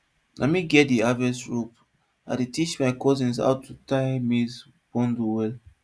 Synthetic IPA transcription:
la̰miɡɛt̚diavɛsɹup | a̰detit͡ʃmaɪkɔzĩns̬a̰ʊtʰːutajmis | bɔ̃nduwɛl

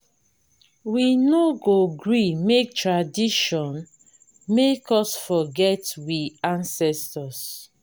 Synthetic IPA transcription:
winoɡoɡɹimek̚tɹadiʃɔ̃n | mekɔsfɔɡɛtwiãnsɛstɔs

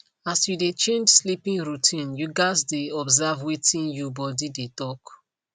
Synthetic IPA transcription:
asjudet͡ʃẽnd͡ʒslipĩŋɹutʰĩnjuɡaɪzdeɔbzavwitĩnjubɔdidetɔk

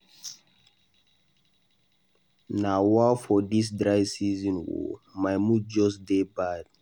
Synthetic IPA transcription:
nawafɔdis̬dɹaɪsizɔ̃nwo̰maɪmud͡ʒɔsdebad̥̚

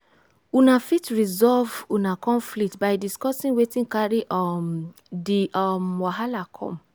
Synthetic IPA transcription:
unãfitɹizɔlvunãkɔ̃nflik̚tbajdiskɔsĩŋwetĩŋkaɾiʔɔm | diʔɔmwaɦalakʰɔ̰̃m

